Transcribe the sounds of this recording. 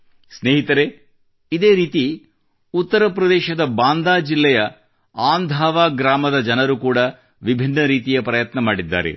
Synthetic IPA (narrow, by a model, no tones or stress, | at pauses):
sneːɦit̪ɐɾe̞ | id̪e̞ːɾiːt̪i | ut̪ːɐɾɐpɾɐd̪ɛːʃɐd̪ɐbaːnd̪aːd͡ʒilːɛjɐ | aːnd̪ʱaːʋaːɡɾaːmɐd̪ɐd͡ʒɐnɐɾukuːɽɐ | ʋibʱinːɐɾiːt̪ijɐpɾɐjɐt̪nɐmaːɽid̪ːa̰ːɾe̞̰